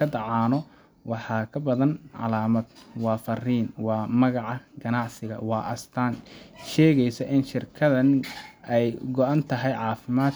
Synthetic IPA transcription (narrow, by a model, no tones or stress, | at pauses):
ɐd̪ɑʕɑːnɔ | wɑħɑːkʰɐbɐðɐnʕɑ̰laːmɐd̪wɑːfɐriːnwɑːmɐɣɑʕɑɡɐnɑʕsɪɣɐ̰wɑːʔɐst̪ʰaːnʃɛːɣɛjsɐʔɪnʃɪrkʰɐðɐnɛjɡɔʔant̪ʰɐɦɛjʕɑːfɪmaːd̪